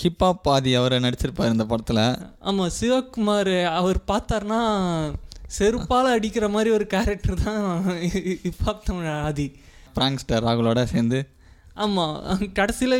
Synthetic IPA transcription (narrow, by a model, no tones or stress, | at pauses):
kɪpːaːpːaːðiɐʋɐɾnɐɽɪt͡ʃːɪɾɯpːaːɾɯɪnd̪ɐpɐɽɐt̪ːɪlɐa̰ːmaːsɪʋɐkːɯmaːɾɐʋɐɾpaːɾt̪aːɾnaː | sɛɾɯppːaːlɐɐɽɪkːɪɾɐmaːd̪ɾiɔɾɯkaːɾɛk̚ʈɐɾt̪ãː | ɪpːaːp̚t̪ɐmaːði | fɪɾaːŋksʈɐɾaːɣɐɭoːɽaseːɾnd̪ɯ | aːmaːkɐɽɐsɪlɐ